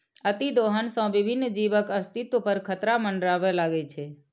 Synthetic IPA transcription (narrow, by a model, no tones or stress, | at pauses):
ət̪id̪oɦənsə̃ʋibʱinːd͡ʒiʋəkəst̪it̪opəɾkʰət̪ɾaməɳɖɾaʋelaɡɛt͡ʃʰe